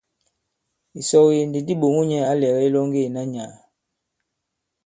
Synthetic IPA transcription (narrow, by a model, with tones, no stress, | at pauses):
i˨sɔ˦˨ɣje˨ndi˨di˦ɓo˨ŋu˦ɲɛ˦a˦lɛ˨ɣɛ˦i˦lɔ˦ŋ˦ɡe˦˨na˦ɲa˨